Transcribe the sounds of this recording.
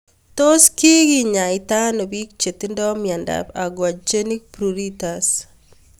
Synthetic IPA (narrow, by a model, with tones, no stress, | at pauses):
to˦ski˦ɡi˦ɲa˨ɪta˦nɔ˨bi˦k̚t͡ʃe˨ti˦ndɔ˦mja˨nda̰pa˨ɡwa˨d͡ʒe˦ni˦k̚pɾuɾitas